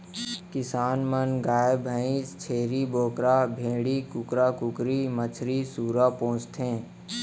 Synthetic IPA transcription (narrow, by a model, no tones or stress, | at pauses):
kɪsaːnmənɡaːebʱəĩst͡ʃʰeːɾiboːkɾaːbʱẽːɽikʊkɾaːkʊkɾimət͡ʃʰɾisuːɾaːpõːt͡ʃt̪ɦẽː